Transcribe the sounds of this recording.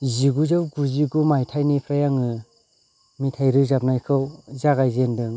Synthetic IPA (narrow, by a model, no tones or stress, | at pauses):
ziɡuzɯwɡuziɡumajtʰajnipʰɾajaŋɯ | mitʰajɾɯzap̚najkʰɯwzaɡajzendɯŋ